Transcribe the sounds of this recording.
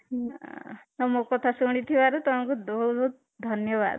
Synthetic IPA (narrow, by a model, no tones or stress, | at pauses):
nʌmokʌt̪ʰasuɽ̃it̪ʰibaɾut̪ʌpãkod̪oɡo | d̪ʱʌnjʌba̰d̪